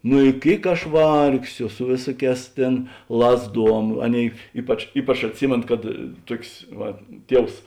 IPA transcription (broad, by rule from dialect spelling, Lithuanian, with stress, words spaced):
nʊ ɪ ˈkʲeːɪk ɐʃ ˈʋɐrksʲoː sʊ ˈʋʲeːsuɔˌkʲɛːs ˈtʲeːn ˈlˠɑːzˌduɔm ˈɑːˌnʲeːɪ ˈiːpɐt͡ʃ ˈiːpɐt͡ʃ ɐtʲˈsʲɪmʲeːnoː kɐt ˈtuɔkʲeːs ˈʋɐ ˈtʲiɛws